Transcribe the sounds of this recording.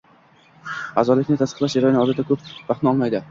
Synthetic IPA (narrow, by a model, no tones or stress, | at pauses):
a̰zɒlɪkʲnɪt̪ʰasɨ̥qlˠaʃjaɾɒjnɪɒd̪ɪt̪ʰːakʰɵp̚baχnɪɒlˠmajd̪ɪ